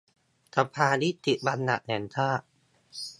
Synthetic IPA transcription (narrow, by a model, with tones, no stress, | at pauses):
t̪ʰa˧˩pʰaː˧ni˦˥˩t̪i˨˩ba˧nːa̰˨˩nɛ˩˦nt̪ʰaː˥˩